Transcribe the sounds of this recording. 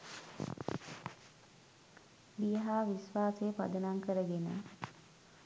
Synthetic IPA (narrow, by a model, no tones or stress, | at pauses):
bijəɦaːʋisʋaːseːpa̰d̪ənaŋkəɾəɡenə̰